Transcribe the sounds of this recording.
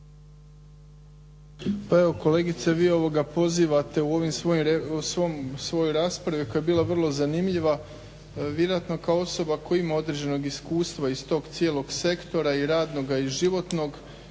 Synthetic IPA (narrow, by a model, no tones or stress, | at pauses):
paeʋo̞ko̞le̞ɡit̪seʋiːo̞ʋo̞ɡapo̞ziːʋat̪e̞uo̞ʋimsosomsʋo̞jojɾaːspɾaʋikojajebiːlˠaʋr̩lˠo̞zanimʎiʋa | ʋjeɾoat̪no̞kaoo̞so̞bako̞jimao̞d̪ɾe̞d͡ʑe̞no̞ɡiskuːst̪ʋaist̪o̞ːɡt̪sje̞ːlˠo̞ɡse̞kt̪o̞ɾaiɾaːd̪no̞ɡaiʒiʋo̞t̪no̞ɡ